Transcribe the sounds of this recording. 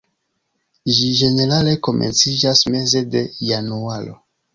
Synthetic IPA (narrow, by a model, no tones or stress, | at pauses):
ʒid͡ʒe̞ne̞ɾale̞ko̞mʔe̞̰nt͡sid͡ʒasme̞ze̞de̞janualo̰